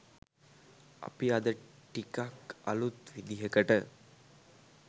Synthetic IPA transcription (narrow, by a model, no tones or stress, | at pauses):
a̰piad̪ə | ʈikaka̰lut̪ʋid̪iɦəkəʈə